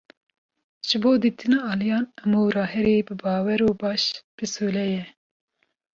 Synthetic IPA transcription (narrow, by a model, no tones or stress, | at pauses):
ʒ̥ɨboːd̪iːt̪ʰɨnɑːɑːlijɑːnɛmuːɾɑːɦɛɾeːbɨbɑːwɛɾoːbɑːʃb̥ɨsoːlɛjɛ